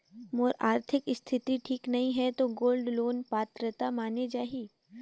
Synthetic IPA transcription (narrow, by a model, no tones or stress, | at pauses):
moːɾaːɾt̪ʰɪkɪst̪ʰɪt̪iʈʰiːknɐɦĩɦɛt̪oɡoːlɖloːnpaːt̪ɾət̪amaːned͡ʒaːɦiː